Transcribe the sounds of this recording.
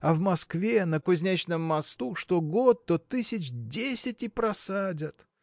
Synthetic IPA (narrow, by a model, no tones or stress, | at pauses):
ɐvmɐskvʲenəkʊzʲnʲæt͡ɕnəmːɐst̪uʂt̪oɡot̪ːot̪ɨsʲɪt͡ɕdʲesʲɪtʲɪpɾɐsadʲət̪